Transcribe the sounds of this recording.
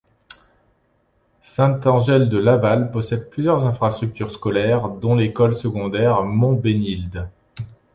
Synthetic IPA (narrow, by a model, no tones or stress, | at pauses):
sɛ̃t̪ɑ̃ʒɛld̪əlavalpɔsɛd̪̚plyzjœʁzɛ̃fχast̪χyk̚t̪yʁskɔlɛʁd̪ɔ̃lekɔlsəɡɔ̃d̪ɛʁmɔ̃benild̪